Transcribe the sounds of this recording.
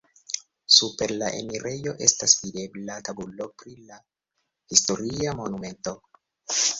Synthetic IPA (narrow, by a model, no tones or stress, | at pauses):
supe̞ɾlaʔḛmiɾʔe̞jo̞ʔe̞stasvide̞blat̪abulo̞pɾila | hist̪oɾiamo̞nume̞nt̪o̞